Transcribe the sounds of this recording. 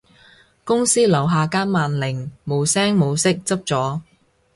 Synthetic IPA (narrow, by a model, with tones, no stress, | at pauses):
kʊ˥ŋsiː˥lɐ˨˩wɦaː˨kaː˥nmaː˨nlɪ˨˩ŋmo˨˧wsɛː˥ŋmo˨˧wsɪ˥k̚t͡sɐ˥p̚t͡sɔː˨˥